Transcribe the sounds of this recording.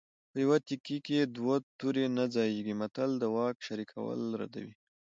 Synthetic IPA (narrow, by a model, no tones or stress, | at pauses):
pəjawat̪ikiked̪wot̪uɾenad͡zɑjeɡimat̪ald̪əwɑkʃaɾikʰawə̰lɾa̰d̪a̰wi